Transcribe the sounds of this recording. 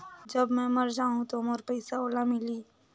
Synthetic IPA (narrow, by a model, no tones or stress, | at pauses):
d͡ʒɐbmɛ̃ːmɐɾd͡ʒaːɦũt̪omɔːɾpɐjsaoːlamɪliː